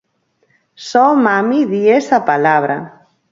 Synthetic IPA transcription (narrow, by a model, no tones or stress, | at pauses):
sɔmamiðiesapalaβ̞ɾa̰